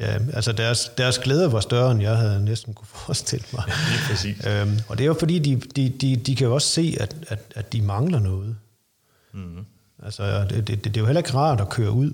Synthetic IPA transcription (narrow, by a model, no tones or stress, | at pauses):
jæ̰ælsɒd̥æɐsd̥æɐsɡ̥leːð̞ˠɐʋɑ̈sd̥ɶɐenjɑ̈ɪɦæð̞̩ˠnesd̥n̩kʰufɒ̥ːsd̥e̝l̰əmɑ̈ɪiiøɒ̽d̥e̝æjofɒ̽d̥ḭːd̥id̥id̥id̥ikʰæjo̝ɒ̽sse̝̰ːæd̥æd̥æd̥imɑ̈ŋlɐnɔːð̞̩ˠ | ʔælsɒd̥d̥e̝jo̝helɐe̝ɡ̥ʁɑ̰̈ːdˠɒkʰøːɐuð̰ˠ